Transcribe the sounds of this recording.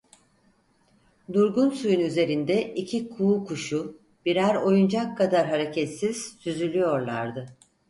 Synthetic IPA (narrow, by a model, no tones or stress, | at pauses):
d̪uɾɡunsujunyze̞ɾind̪ɛʔicʰikʰuːkʰuʃu | b̥iɾæɾo̞jund͡ʒakʰːad̪aɾɦaɾe̞cʰɛt̪siz̥syzylʲyjo̞ɾlˠa̰ɾd̪ɯ